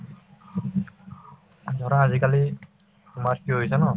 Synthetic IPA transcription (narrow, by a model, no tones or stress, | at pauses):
zɔɾaazikali | umaɹkiɦojsɛnɔ